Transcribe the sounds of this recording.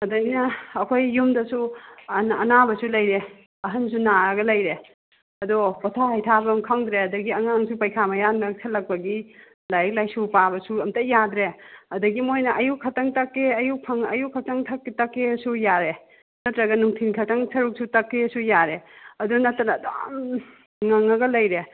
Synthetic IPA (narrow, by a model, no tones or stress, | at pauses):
ɐdɐjnɐːkʰojːumdɐsunɐ̰nabɐsulɐjɾe | ɐɦɐnsunaɾɐɡɐlɐjɾe | ɐdɔpɔtʰahɐjtʰabɐmkʰaŋdɾeɐdɐɡiɐŋaŋsupɐjkʰamɐjanːɐsʰɐlɐk̚pɐɡi | lajɐk̚lajsupabɐsuɐmtɐjadɾeɐdɐɡimojnɐʔɐjukʰɐtɐŋtɐkːeɐjuk̚pʰɐŋɐjukʰːɐtɐŋtʰɐkːitɐkːesujaɾe | nɐtɾɐɡɐnuŋtʰinkʰɐtɐŋsɐɾuk̚sutɐkːesujaɾeɐdunɐtɾɐnɐːdam | ŋɐŋɐɡɐlɐjɾe